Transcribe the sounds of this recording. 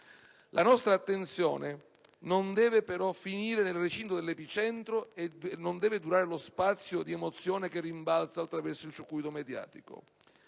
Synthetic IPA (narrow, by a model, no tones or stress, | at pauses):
lʔanɔst̪ɾaːt̪ːent̪sjɔ̰ːne | nond̪ɛːvepeɾɔfiniːɾenelret͡ʃint̪od̪elːɛpit͡ʃɛnt̪ɾoenːond̪ɛːvɪd̪uɾaːɾelospat̪sːjod̪iemot̪sːjɔːnekerːimbalt̪salt̪ːɾavɛrsoilt͡ʃukujt̪omed̪ja̰ːt̪iko̰